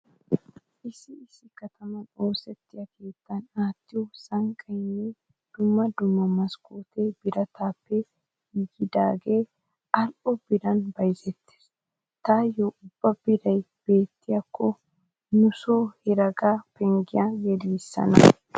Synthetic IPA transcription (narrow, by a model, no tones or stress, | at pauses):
ʔɪsɪɪsːɪkɐt̪ɐmɐnoːsɛt̪ːɪjɐkʰe̞ːt̪ːɐnaːt̪ːɪjʊsɐŋkʼɐjeː | d̪̥ʊmːɐd̪ʊmːɐmɐskoːt̪eːb̥ɪɾɐt̪ʰaːpːɛ | ɡɪd̪aːɡe̞ː | ɐlʔɔb̥ɪɾɐnbɐjzɛt̪ːe̥s | t̪aːjoʔʊb̥ːɐbɪɾɐj | b̥e̞ːt̪ːɪjɐkʰːɔ | nʊso̞ːhɪɾɐɡaːpɛŋɡɪjaɡɛliːsːɐ̰nɐ̰